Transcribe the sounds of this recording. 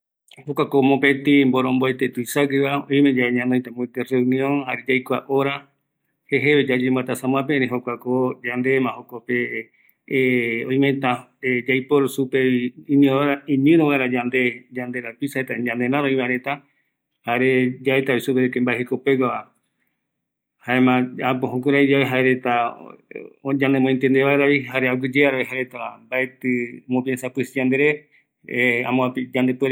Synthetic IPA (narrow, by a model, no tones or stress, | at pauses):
hokʷakomõpet̪ĩmboɾõmboet̪et̪uisaɡeβaoĩmẽd͡ʒaeɲãnojt̪amõet̪ereunĩõnhaɾed͡ʒajkʷaʔoɾa | heɦeβed͡ʒad͡ʒemat̪asãmw̃ãp̬eɾẽɦokʷakod͡ʒand̪emãhokope | õj̃mẽt̪ãed͡ʒajpoɾsupeiĩnĩoɾaĩɲɨ̃ɾoɣaɾad͡ʒand̪ed͡ʒand̪eɾapisaet̪aɲãneɾãɾoĩβaɾet̪a | haeɾed͡ʒaet̪aβisupeɾekembaeɦekopeɡaβa | haemãapoɦõkuɾaid͡ʒaβeɦaeɾet̪a | d͡ʒãnemõẽnt̪end̪eβaeɾaiɦaɾeaɡɨd͡ʒeaɾaeɦaɾet̪ambae̞t̪ɨmõpjensapɨsid͡ʒãnd̪e̞ɾe | ã̰mõapid͡ʒand̪epweɾ